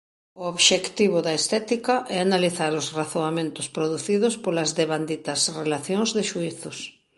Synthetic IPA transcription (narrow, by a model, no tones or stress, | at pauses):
ʊoβʃekt̪iβ̞ʊðɐest̪ɛt̪ikɐʔɛanaliθaɾʊsraθoamẽnt̪ʊspɾoðuθiðʊspolɐzðeβand̪it̪ɐsrelaθjoŋzðɪʃuiθʊs